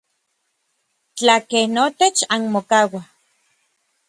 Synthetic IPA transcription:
t͡ɬakehnot̪et͡ʃanmokawa

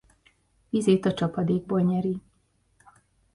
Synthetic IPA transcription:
izeːt̪ɒt͡ʃɒpɒd̪eːɡ̚bolɲɛɾi

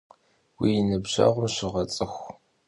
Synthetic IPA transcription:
wijɪnɨbʑɐ̰ʁʷʊmɕɪʁɐt͡sʼɨxʷ

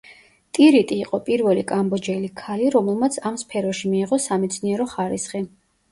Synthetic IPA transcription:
t̪ʼiɾit̪ʼiːqʼɔpʼiɾvɛlikʼambɔd͡ʒɛlikʰaliɾɔmɛlˠmat̪sʰamspʰɛɾɔʃimiːʁɔsamɛt̪sʰniɛɾɔχaɾisχi

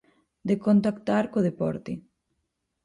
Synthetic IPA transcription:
d̪ekont̪akt̪aɾkoðepɔ̰ɾt̪e

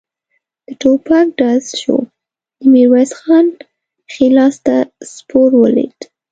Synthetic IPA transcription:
d̪̥əʈopak̚ɖazʃo̰ | d̪əmiɾwasxɑn | xilɑst̪aspoɾwəlḛd̪

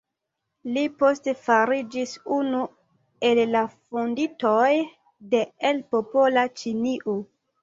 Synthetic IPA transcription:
lipo̞stefaɾid͡ʒisunu | e̞lːafonditoj | de̞elpopo̞lat͡ʃiniʔo

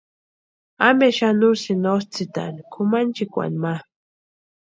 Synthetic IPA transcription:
ameʃanusinost͡sit̪a̰nikʰʊmant͡ʃikʷa̰nma

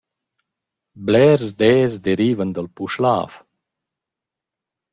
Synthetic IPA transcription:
blɛɾzd̪ɛːzd̪eɾiːvənd̪əlpuʃla̰ːf

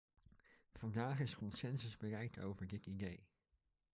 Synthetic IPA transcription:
v̥ɑndaːχɪskɔnsɛnsəzbərɛjto̰wvəɹdɪtidej

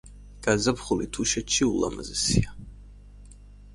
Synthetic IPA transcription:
ɡ̥azapχulit̪ʰuʃɛt̪ʃiulˠa̰mazɛsia

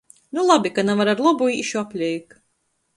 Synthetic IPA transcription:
nulˠabikanavaɾaɾlˠɔbuiʃuapʲlʲɛjk

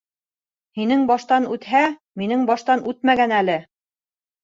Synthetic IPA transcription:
hinɘŋbɑʃt̪ɑnʉt̪hæ | minɘŋbɑʃt̪ɑnʔʉt̪̚mæɡænælɘ

